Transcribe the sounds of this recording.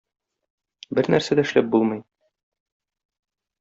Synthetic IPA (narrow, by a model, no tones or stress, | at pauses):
bɘɾnæɾsæd̪æɘ̆ʃlæp̚bulˠmɤ̆j